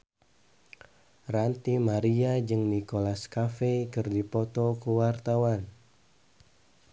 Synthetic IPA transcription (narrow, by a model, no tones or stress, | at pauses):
rant̪imaɾiad͡ʒɨŋnikolaskafekɨrdipɔt̪ɔkuwart̪awan